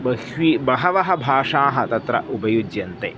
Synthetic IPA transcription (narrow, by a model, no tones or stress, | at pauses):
bɐhʋiːbɐɦɐʋɐɦɐbʱaːʂaːɦɐt̪ɐt̪ɾɐ̰ʔubɐjud͡ʒjɐnt̪ḛː